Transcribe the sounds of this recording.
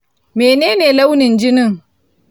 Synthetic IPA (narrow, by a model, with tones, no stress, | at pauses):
meː˨neː˦neː˨la˦wnɪ˨nd͡ʒɪ˦nɪ˦ŋ